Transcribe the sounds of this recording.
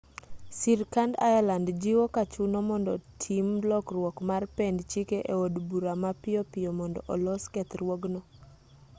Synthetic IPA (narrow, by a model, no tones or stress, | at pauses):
siɾkandajalandd͡ʒɪwɔkat͡ʃunɔmɔndɔ̰tʰimlɔkrwɔkmarpɛndt͡ʃikeʔeodbuɾamapɪjɔpɪjɔmɔndɔ̰ʔɔlɔskɛt̪ɾwɔɡnɔ